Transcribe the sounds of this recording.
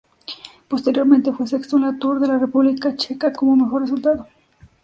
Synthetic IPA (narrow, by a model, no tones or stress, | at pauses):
po̞st̪e̞ɾjo̞ɾmẽnt̪e̞fwesekst̪onlat̪uɾðe̞larepuβlikat͡ʃe̞kakomome̞xo̞result̪aðo